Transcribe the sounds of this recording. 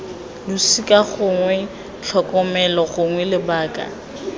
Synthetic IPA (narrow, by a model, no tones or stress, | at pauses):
lʊsikʼaɣʊŋwɛ | t͡ɬʰɔkʼɔmɛlɔɣʊŋwɛlɪbaːkʼa̰